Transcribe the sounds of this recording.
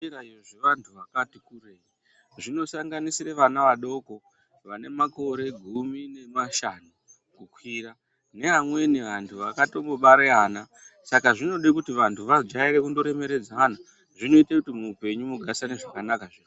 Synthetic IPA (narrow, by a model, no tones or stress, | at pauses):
iɾaijoʐeʋantʰuʋakatikurei | ʐino̞saŋɡanisiɾeʋanaʋaɗo̞ko̞ | ʋane̞mako̞ɾe̞ɡʱumine̞maʃanu | kukwira | ne̞ɦamwe̞niʋantʰuʋakato̞mboɓaɾeaːna | sakaʐino̞ɗikutiʋantʰuʋad͡ʒairekundo̞ɾe̞me̞ɾe̞d͡zana | ʐino̞itekutimuːpe̞ɲumuɡʱasaneʐakanakaʐir